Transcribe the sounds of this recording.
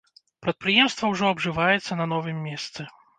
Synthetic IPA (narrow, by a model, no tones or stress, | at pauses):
pɾɐt̪̚pɾɨjɛmst̪vɐwʐɔɐbʐɨvajɛt̪sːɐnɐnɔvɨmʲːɛst̪sɨ